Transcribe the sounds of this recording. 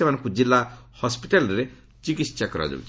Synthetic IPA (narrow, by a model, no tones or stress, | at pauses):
emanɔ̃ŋkud͡ʒilːahɔspiʈalɔɾe | t͡ʃikisakɔɾa̰d͡ʒo̰ṵt͡ʃʰi